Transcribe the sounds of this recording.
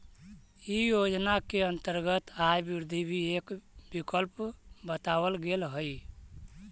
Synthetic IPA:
ijod͡ʒnakeənt̪əɾɡət̪ajbuɾd̪ʱibʱiekbikəlpbət̪awəlɡelɦəj

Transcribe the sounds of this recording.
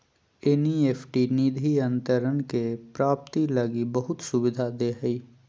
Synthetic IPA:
enieːpʰʈiniːd̪ʱiə̃nt̪əɾənkepɾaːp̚t̪iləɡibəɦʊt̪sʊbɪd̪ʱad̪eɦəi

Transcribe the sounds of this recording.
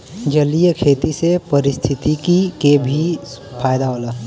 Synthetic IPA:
d͡ʒəlijəkʰeːt̪isepəɾɪst̪ʰɪt̪ikikebʱi | pʰaːjd̪aɦoːlaː

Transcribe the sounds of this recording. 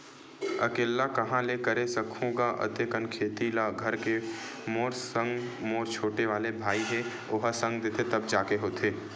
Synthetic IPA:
ɐ̰keːlːakɐɦãlekɐɾesɐkʰũːɡaʔɐ̰t̪ekənkʰeːt̪ilaɡʱɐɾke | moːɾsə̃ŋɡmoːɾt͡ʃʰoːʈeʋaːlebʱaːiɦɛ | oɦasɐ̃ŋɡd̪et̪ʰet̪ɐbd͡ʒaːkeɦoːt̪ʰeː

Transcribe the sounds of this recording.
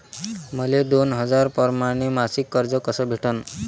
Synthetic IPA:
mʌled̪onɦʌd͡zaɾpɔɾmaɽ̃emasikːʌɾd͡zɔkɔsɔbʱeʈən

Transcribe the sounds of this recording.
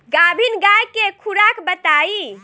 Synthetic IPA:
ɡabʱinɡajkekʰuɾakbət̪ai

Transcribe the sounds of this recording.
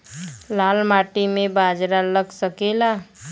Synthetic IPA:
lalmaʈimebad͡ʒɾaləɡsəkela

